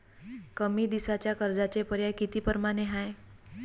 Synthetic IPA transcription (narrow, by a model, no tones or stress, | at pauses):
kəmiːd̪isat͡ɕjakəɾd͡zat͡ɕepəɾjajkit̪iːpəɾmaneɦaj